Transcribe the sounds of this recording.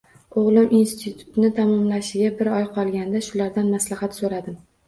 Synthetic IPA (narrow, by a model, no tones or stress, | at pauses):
oʁlˠɪminst̪ʰɪt̪ʰu̥t̪nɪt̪ʰamɒmlaʃɪɡʲabɪɾɒjqʰɒlˠɡʲand̪aʃʊlaɾd̪anmaslahat̪soɾad̪ɪm